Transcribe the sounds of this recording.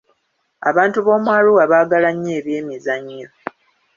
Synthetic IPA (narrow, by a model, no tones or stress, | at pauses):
a̰βaːntuβo̞ːmwaːluwaβaːɡalaɲːeːβje̞ːmizaɲːo